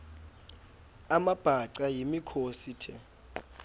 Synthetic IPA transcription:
amab̥ʱaǀajimikʰositʰɛ

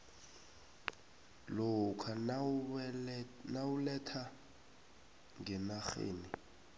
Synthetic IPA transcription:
lɔkʰan | nawulɛtʰa | ŋɡɛnaχḛːni

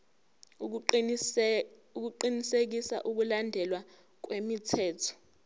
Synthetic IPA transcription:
uk̬uǃinisek̬isa̰ʔuk̬ulandʱɛlwa | k̬wemitʰɛːtʰɔ̥

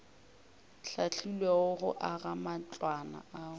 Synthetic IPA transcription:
ɬaɬʰilweʊɣʊ̰ʔaɣamat͡ɬʼwana̰aːʊ

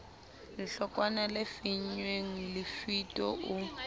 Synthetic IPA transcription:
lɪɬɔkʼwanalɪfiɲweŋ̩lɪfitʼɔʔʊ

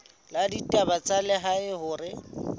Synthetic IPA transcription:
laditʼabat͡sʼalɛɦaɪhʊːrɪ

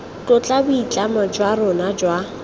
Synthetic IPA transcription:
kʼʊt͡ɬʼabʊit͡ɬʼamad͡ʒwaɾʊnad͡ʒwa

